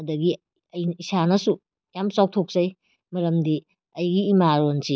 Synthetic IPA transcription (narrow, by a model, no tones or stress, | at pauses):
ɐdɐɡi | ɐjisanɐsu | jamt͡ʃaw̚tʰok̚zɐj | mɐɾɐmdi | ɐjɡiːmaɾonsi